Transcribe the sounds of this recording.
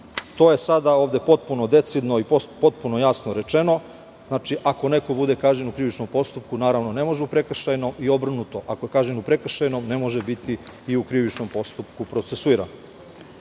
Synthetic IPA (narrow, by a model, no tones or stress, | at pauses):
t̪o̞ːje̞sad̪aoːʋd̪e̞po̞t̪̚punod̪e̞t̪sid̪no̞ipopo̞t̪̚punojasnoɾe̞t͡ʃe̞no̞ | znaːt͡ʃiʔako̞ne̞kobud̪e̞kaːʒɲenukɾiʋit͡ʃno̞mpo̞st̪up̚kunaːɾaʋno̞ne̞mo̞ʒeupɾe̞kr̩ʃajno̞ʔio̞br̩nut̪o̞ʔako̞jekaːʒɲenupɾe̞kr̩ʃajnomne̞mo̞ʒebit̪i | iukɾiʋit͡ʃno̞mpo̞st̪upkupɾo̞t̪sesuiɾa̰no